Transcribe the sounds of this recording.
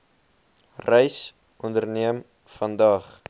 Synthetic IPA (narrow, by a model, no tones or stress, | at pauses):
rəjs | ʔɔndərniəm | fɐndɐːχ